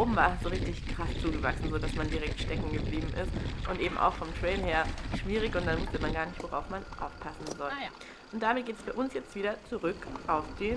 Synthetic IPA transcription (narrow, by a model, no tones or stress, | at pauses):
ʔoːbm̩vaːsz̥oːʁɪçtɪçkʁ̥ast͡suːɡəva̰ksn̩zoːdasmandiʁɛk̚tʃtɛkŋ̩ɡəbliːbm̩ʔɪstʔʊntʔeːbm̩ʔa̰ʊxfɔmtʁ̥ɛɪlheːɐʃv̥iːʁ̞ɪçʊnt̚d̥anvʊstəmanɡaːɐnɪçtv̥oʁa̰ʊfmanʔa̰ʊfpʰasn̩zɔl | ʔʊnt̚d̥amɪt̚ɡ̥eːtɛsfb̥aɐʔʊnsjɛt͡stv̥iːdɐt͡suʁʏkʔaʊfd̥eː